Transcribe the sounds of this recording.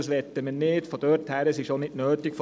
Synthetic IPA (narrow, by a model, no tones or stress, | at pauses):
əsʋɛt̪ːəmɛnneːt̪fɔd̥̪øɾt̪hæɾəsiʃonɪt̪nøːt̪ɪkfɔ